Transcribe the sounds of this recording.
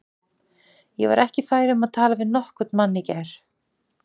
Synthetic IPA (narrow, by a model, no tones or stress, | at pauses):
jɛ̰va̰ɾʔɛhcɪfaːjɾɪʏmaðt̪ʰaːlavɪðnɔhkʏt̪nmanːɪcaɾ̥